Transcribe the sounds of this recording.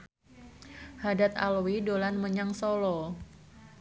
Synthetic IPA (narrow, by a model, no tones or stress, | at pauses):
hadat̪̚a̰lwidolanməɲaŋsolɔ